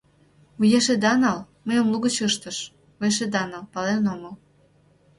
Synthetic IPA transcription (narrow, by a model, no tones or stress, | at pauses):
ujeʃed̪ɑnɑl | məjomluɣət͡ɕəʃt̪əʃ | ueʃ̬ed̪ɑnɑlpɑlenoŋəl